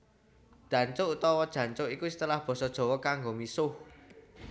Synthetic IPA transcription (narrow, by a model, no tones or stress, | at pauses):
d̪̥ä̤ɲt͡ʃʊut̪ɔwɔd̥ʒ̥ä̤ɲt͡ʃʊʔikusə̥t̪əlahb̥ɔ̤sɔd̥ʒ̥ɔ̤wɔkaŋɡomisʊh